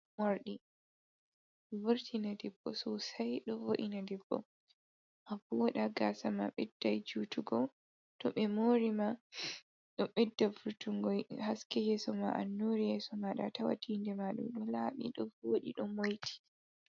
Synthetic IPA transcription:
moɾɗi | vuɾtʰinadɛbːɔ̰sɔsajɗɔvoʔinadɛbːɔ̰ | mavɔɗaɡasama̰ɓɛdːajd͡ʒutuɡɔ | tɔ̰ɓɛmoːɾima | ɗɔɓɛdːavuɾtuŋɡɔjhaskɛjɛsɔma̰ʔanːoɾijɛsɔmaɗa̰tawa̰tʰindɛmaɗṵmɗɔlaɓḭɗɔvoɗiɗɔmojtʰi̥

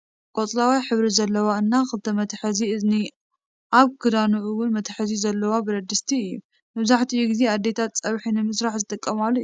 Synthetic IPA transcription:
kʼot͡sʼlawijħɨβɾizɐlːɐwaɨnːakɨlɨt̪ʰɐmɐt̪ʰħɨziɨzni | ʔaβkʰɨd̪anuʕuwʊnmɐt̪ʰħɨzizɐlːɐwabɨɾɐd̪ɨst̪ʰiɨjːu | mɐβzaħt̪ʰijːuɡize̞ad̪ːet̪ʰat̪t͡sʼɐβħinɨmɨsɾaħzɨt̪ʼɨkʼːɐmalːuj

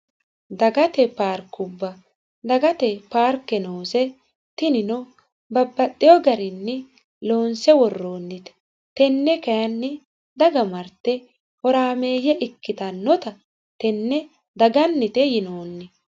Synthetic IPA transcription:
d̪ɐɡɐt̪ɛpaːɾkːʊbːɐ | d̪ɐɡɐt̪ɛpaːɾkːɛnoːsɛ | t̪ɪnɪnɔ | bɐbːɐt̪ʼːɪjɔɡɐɾɪnːɛ | loːnsɛwɔrːo̞ːnːɪt̪ɛ̥ | t̪ɛnːɛkɐjɐnːɛ | d̪ɐɡɐmɐɾt̪ːɛ | ɔɾaːmeːjɛʔɪkːɪt̪ɐnːɔt̪ɐ | t̪ɛnːɛ | d̪ɐɡɐnːɪt̪ɛjɪnoːnːɪ

